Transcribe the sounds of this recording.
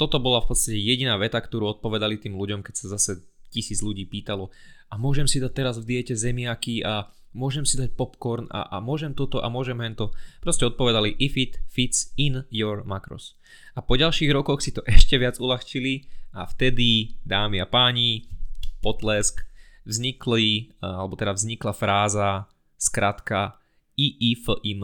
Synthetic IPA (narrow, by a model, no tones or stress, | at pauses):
t̪ɔt̪ɔbɔlafpɔt̪t͡st̪acɛjɛɟinaːʋɛt̪akt̪ɔɾuːɔt̪̚pɔʋɛd̪alit̪iːmluɟɔmkɛcsazasɛ | cisiːd͡zʎuɟiːpiːt̪alɔamʊɔʒɛmsid̪ac̚t̪ɛɾazvd̪iɪɛcɛzɛmɪakia | mʊɔʒɛmsid̪ac̚pɔpkɔɾna̰ʔamʊɔʒɛmt̪ɔt̪ɔʔa̰mʊɔʒɛmɦɛnt̪ɔpɾɔscɛɔt̪̚pɔʋɛd̪aliʔifit̪fit̪t͡sinjɔɾmakɾɔ̰s | apɔɟalʃiːɣɾɔkɔxsit̪ɔʔɛʃcɛʋɪad͡zulaxt͡ʃilia̰ft̪ɛd̪id̪aːmiapaːɲipɔt̪lɛskvzɲiklialɛbɔt̪ɛd̪avzɲiklafɾaːza | skɾat̪ka | iʔifəʔin